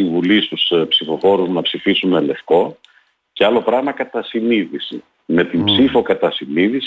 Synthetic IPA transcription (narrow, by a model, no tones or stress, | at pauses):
iɱvulist̪uspsifo̞fo̞ɾuznɐpsifisune̞le̞fko̞ | ceɐlo̞pɾɐɣmɐkɐt̪ɐsiniðisḭ | me̞t̪imbsifo̞kɐt̪ɐsiniðis